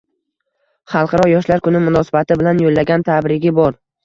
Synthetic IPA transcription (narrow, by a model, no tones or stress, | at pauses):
χɑlˠqʰɑɾɒjɒʃlaɾkʊnɪmʊnɒsɪ̥bat̪ɪbɪlanjolːaɡʲant̪ʰabɾɪɡʲɪbɒɾ